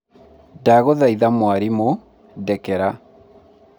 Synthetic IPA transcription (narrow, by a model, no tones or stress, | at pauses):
daɣoðaiðamwaɾimo | dɛkɛɾa